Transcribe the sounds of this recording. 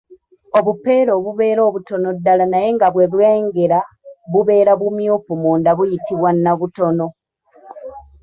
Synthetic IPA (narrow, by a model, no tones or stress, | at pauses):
o̞βupːe̞ːɾo̞ːβuβe̞ːɾo̞ːβuto̞no̞dːalanaje̞ŋɡaβwe̞βweːŋɡe̞ɾa | βuβe̞ːɾaβumjuːfumuːndaβujitiβwanːaβutono̞